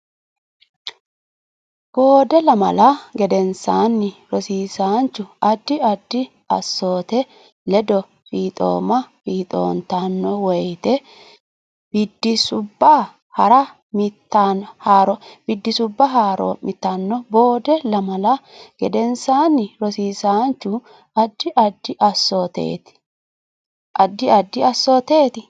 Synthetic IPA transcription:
b̥o̞ːd̪ɛlɐmɐ̰lɐɡɛd̪ɛnsaːnːɪɾɔsiːsaːnt͡ʃːʊɐd̪ːɪɐd̪ːɪ | ɐ̰sːo̞ːt̪ɛ | lɛd̪ɔ | fiːt̪ʼo̰ːmɐfiːt̪ʼo̞̰ːnt̪anːɔwɔjt̪ɛ | b̥ɪd̪ːɪsʊbːa | hɐɾɐ | mɪt̪ːanhaːɾɔb̥ɪd̪ːɪsʊbːɐɦaːɾɔ̰mʔɪt̪ːanːɔbo̞ːd̪ɛlɐmɐlɐɡ̥ɛd̪ɛnsaːnːɪɾɔsiːsaːnt͡ʃːʊ | ɐd̪ːɪʔɐd̪ːɪʔɐsːoːt̪ḛːt̪ɪ̥ | ʔɐd̪ːɪɐd̪ːɪɐsːoːt̪e̞ːt̪ɪ

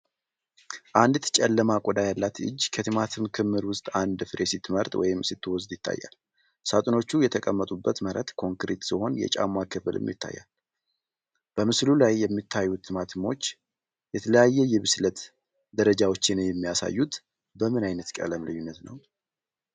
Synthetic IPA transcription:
ʔand̪t̪t͡ʃʼɛlːəmakʷʼɔd̪ajalːat̪ʰɨ̰d͡ʒːkʰət̪ʰɨmat̪ʰɨmkʰɨmːɨɾwʊst̪ʼand̪ɨfɾʔesit̪ʰːməɾt̪ʼwɔ̰jɪmsit̪ːɨwɔsd̪jɪt̪ʰːa̰jːa̰l | sat̪ʼɨno̞t͡ʃːujɛt̪ʰəkʼəmːət̪ʼubːət̪məɾət̪kʰo̞ŋkɾet̪siho̞njɛ̰t͡ʃʼa̰makʰɨfɨlɨ̰mjɪ̰t̪ʰːa̰jːa̰l | b̥əmɨslulajːɛmːit̪ʰːajːut̪ʰːɨmat̪mo̞t͡ʃː | jɛt̪ʰələjajːɛjɛβɨslət̪ | d̪əɾəd͡ʒawo̞t͡ʃːɪnjɛmːijasa̰jːut̪ | bəmɨnajnət̪kʼə̰ləmlɨɲːunːət̪nə̰w

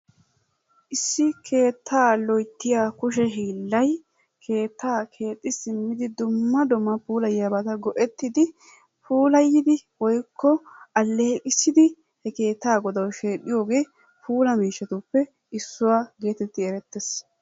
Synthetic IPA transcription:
ʔɪsːɪkʰe̞ːt̪ʰːaːlɔjt̪ːɪjaːkʊʃ̬ɛɦiːlːɐj | kʰe̞ːt̪ːaːkʰe̞ːt̪ʼːɪsɪmːɪd̪ɪd̪ʊmːɐd̪ɔmɐpuːlɐjjabɐt̪ɐɡɔʔɛt̪ːɪd̪ɪ | pʰuːlɐjːɪd̪ɪwɔjkʰːɔɐlːeːkʼɪsːɪd̪ɪ | hɛke̞ːt̪ːaːɡɔd̪ɐwʃeːɗɪjo̞ːɡe̞ː | pʰuːlɐmiːʃːɛt̪ʊpːɛ | ɪsːʊwaːɡeːt̪ɛt̪ːɪɛɾɛt̪ːɛs

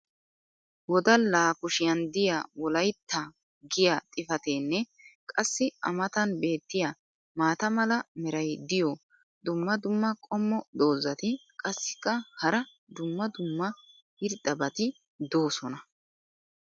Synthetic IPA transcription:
wɔd̪ɐlaːkʊʃɪjɐnd̪ɪjawɔlɐjt̪ʰːɐ | ɡɪjat̪ʼɪfɐt̪eːnːɛ | kʼɐsːɪɐ̰mɐt̪ɐnbe̞ːt̪ːɪja | maːt̪ɐmɐlɐmɛɾɐjd̪ɪjɔ | d̪ʊmːɐd̪ʊmːɐkʼɔmːɔd̪o̞ːzɐt̪ɪkʼɐsːɪ̥kːɐhɐɾɐ | d̪ʊmːɐd̪ʊmːɐ | hɪɾd̪ɐbɐt̪ɪ | d̪o̞ːsɔnɐ

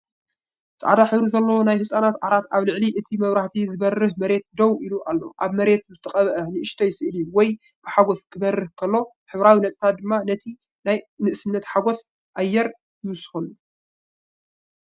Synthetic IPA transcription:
t͡sʼʕa̰d̪aħɨβɾuzɐlːɐwonajhɨsʼanat̪ʕaɾat̪aβlɨʕliʔɨt̪ʰimɐβɾaht̪ʰizɨβɐrːɨhmɐɾe̞t̪̚d̪ɐwʔiluʔalːo̰ʔaβmɐɾe̞t̪zɨt̪ʰɐqʼɐβɐʔɐnɨʔɨʃt̪ʰojɪsɨʔɨlijuwɔj | b̥ɨħaɡo̞skʰɨβɐrːɨhkʰɐlːo̞ | ħɨβɾawinɐt̪ʼt̪ʰat̪̚d̪ɨmːanɐt̪ʰi | najnɨʔsɨnːɐt̪ħaɡo̞s | ʔajːɛɾ | jɨsxonu

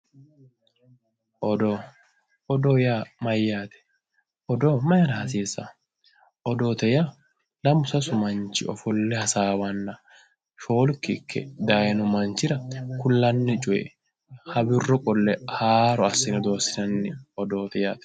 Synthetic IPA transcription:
ʔɔd̪o | ɔd̪oːjamɐjːaːt̪ɛ̥ | ʔɔd̪oːmɐjɐɾɐhɐsiːsɐ̰ | ʔɔd̪oːt̪ɛja | lɐmʊsɐsʊmɐnt͡ʃɪɔ̰fɔlːɛhɐsaːwɐnːɐ | ʃo̞ːlkːɪkʰːɛ̰d̪ajɛnʊmɐnt͡ʃɪɾɐkʊlːɐnːɪt͡ʃʼʊjɛ̰ | hɐbɪrːɔkʼɔlːɛhaːɾɔɐsːɪnɪd̪o̞ːsːɪnɐnːɪɔd̪o̞ːt̪ɛjaːt̪ɛ̥

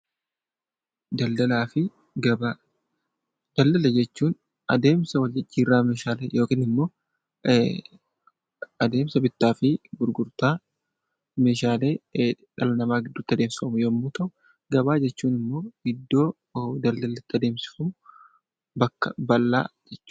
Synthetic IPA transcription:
d̪ɐld̪ɐlaːfɪ | ɡɐa | d̪̥ɐld̪ɐlɐd͡ʒɛt͡ʃːuːn | ɐd̪e̞ːmsɐwɐlːɪd͡ʒiːrːaːmeːʃaːleːjo̞ːkiːnɪmːo̞ː | ɐd̪e̞ːmsɐbɪt̪ːaːfɪɡʊɾɡʊɾt̪aː | me̞ːʃaːle̞ː | ᶑɐlɐnɐmaːɡɪd̪ːʊt̪ːɐd̪e̞ːmsɪfɐmʊjɛmːuːt̪ɐʔʊ | ɡɐbaːd͡ʒɛt͡ʃːuːnɪmːo̞ːɡɪd̪ːo̞ː | d̪ɐld̪ɐlɪt̪ːɐd̪eːmsɪ̥fɐmʊ | bɐkːɐ̰bɐlːa̰ːd͡ʒɛt͡ʃː

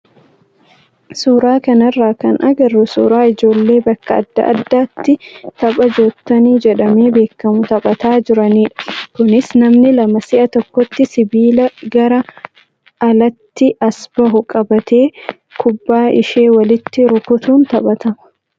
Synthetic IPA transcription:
suːɾaːkɐnɐrːaːkɐnʔɐɡɐrːʊsṵːɾaːɪd͡ʒo̞ːlːe̞ːbɐkːɐɐ̰d̪ːɐ̰ʔɐ̰d̪ːaːt̪ːɪt̪ɐɓʼɐd͡ʒoːt̪ːɐniːd͡ʒɛᶑɐme̞ːbe̞ːkːɐmʊt̪ɐɓɐt̪aːd͡ʒɪɾɐniːᶑkʊnɪsnɐmnɪlɐmɐsɪʔɐt̪ɔkːɔt̪ːɪsɪbiːlɐɡɐɾɐ | ɐlɐt̪ːɪʔɐsb̥ɐɦʊkʼɐbɐt̪ʰe̞ː | kʊbːaːɪʃe̞ːwɐlɪt̪ːɪɾʊkʊt̪uːnt̪ɐbɐt̪ɐmɐ̥

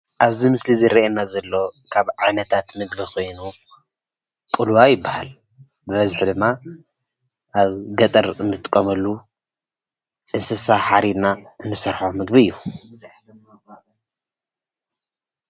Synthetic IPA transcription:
ʔaβzimɨslizɨɾiʔenːazɐlːo̞kʰaβʕanɐt̪ʰat̪mɨɡbikʰo̞jnu | kʼɨlwajɪbːahal | bɨβɐzħd̪ɨmːa | ʔaβɡɐt̪ʼɐɾɨnːɨt̪t̪ʼɨkʼːomɐlːu | ʔɨnsɐsaħaɾid̪naʔɨnːɨsɐɾħomɨɡbiɨjːu

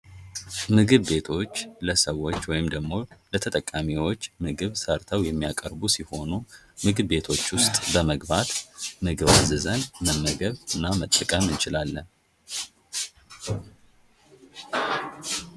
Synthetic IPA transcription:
mɨɡɨβːe̞t̪ʰo̞t͡ʃːləsəwːo̞t͡ʃːwɔjɪmd̪əɡmo̞lət̪ʰət̪ʼəkʼːamiwo̞t͡ʃːmɨɡɨβsəɾt̪ʰəwjɛmːijakʼəɾbusiho̞nu | mɨɡɨβːe̞t̪ʰo̞t͡ʃːwʊst̪ʼbəməɡbat̪mɨɡɨβazɨzənməmːəɡəβɨnːamət̪ʼːəkʼəmɨnt͡ʃɪlalːən

